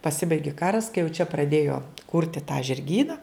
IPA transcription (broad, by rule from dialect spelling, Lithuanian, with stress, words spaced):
pɐˈsʲɪbɐɪɡʲɪ ˈkɑːrɐs kɐɪ jɛʊ t͡ʃʲɛ prɐˈdʲeːjoː ˈkʊrʲtʲɪ tɑː ʒʲɪrʲˈɡʲiːnɐ